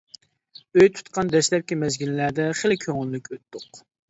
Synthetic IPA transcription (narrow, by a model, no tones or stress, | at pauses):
øjt̪ʰu̥t̪̚qʰɑnd̪ɛʃlɛp̚kʲimɛzɡʲillæd̪ɛχelɪkʲʰøŋylːykʲøt̪ːʊq